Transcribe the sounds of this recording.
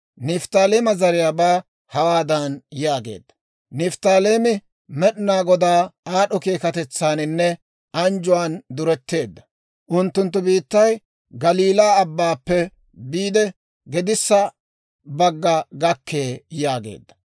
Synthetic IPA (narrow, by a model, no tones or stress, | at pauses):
nɪft̪aːleːmɐzɐɾɪjaːbaː | hɐwaːd̪ɐnjaːɡe̞̰ːd̪ːɐ̥ | nɪft̪aːleːmɪ | mɛɗɪnaːɡɔd̪aːaːɗɔkeːkɐt̪ɛt͡sːaːnɪnːɛ | ɐnd͡ʒʊwaːnd̪ʊɾɛt̪ːe̞ːd̪ːɐ̥ | ʔʊnt̪ːʊnt̪ːʊbiːt̪ːɐj | ɡɐliːlaːɐbːaːpːɛ | biːd̪ɛ | ɡɛd̪ɪsːɐ | bɐɡːɐɡɐkːe̞ːjaːɡḛːd̪ːɐ̥